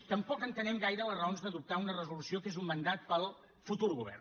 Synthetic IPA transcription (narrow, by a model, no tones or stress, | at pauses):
t̪əmpɔkənt̪ənɛmɡajɾələrəonzðəðup̚t̪aunərəzulusiokezumːənd̪at̪̚pəlˠ | fut̪uɾɣuβ̞ɛ̰r